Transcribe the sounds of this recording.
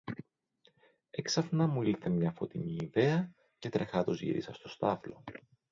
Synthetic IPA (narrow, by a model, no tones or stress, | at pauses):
e̞ksɐfnɐmuiθe̞mɲɐfo̞t̪iɲiːðe̞ɐ | ce̞t̪ɾe̞xɐðo̞zʝḭɾḭsɐst̪o̞st̪ɐflo̞